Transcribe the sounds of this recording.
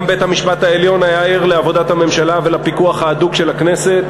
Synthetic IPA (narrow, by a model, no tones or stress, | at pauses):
mbethamiʃpat̪aeljo̞najaiʁleavo̞dat̪hame̞mʃalavelapikuaχhaːd̪uɡʃelakne̞se̞t̪